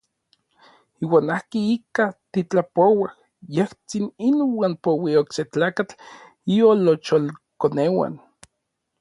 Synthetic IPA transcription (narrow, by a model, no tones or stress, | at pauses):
iːwaːnahkiikat̪it͡ɬapowah | jeht͡sininwaːnpowiokset͡ɬaːkat͡ɬ | iolot͡ʃolkonewa̰n